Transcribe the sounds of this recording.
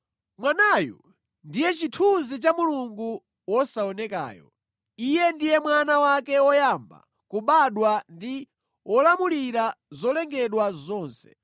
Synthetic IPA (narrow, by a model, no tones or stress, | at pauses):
mwanajɔ̰ | ndijɛt͡ʃitʰuzit͡ʃamuluŋɡu | wɔsaɔnɛka̰ːjɔ̰ | ijɛndijɛmwanawakɛwɔjamba̰ | kuɓaɗwandi | wɔlamuliɾazɔlɛŋɡɛɗwazɔːnsɛ̥